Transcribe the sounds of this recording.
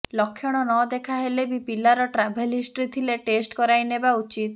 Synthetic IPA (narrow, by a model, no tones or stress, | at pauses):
lɔkʰːjɔɽ̃ɔnɔd̪ekʰaɦelebipilaɾɔʈɾabʱelisʈɾit̪ʰileʈesʈkɔɾajnebaut͡ʃit̪